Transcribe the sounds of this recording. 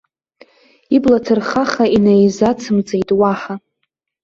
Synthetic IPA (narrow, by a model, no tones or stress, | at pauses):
iblatʰɨrχaχainajzat͡sʰɨmt͡sʼejtʼwaħa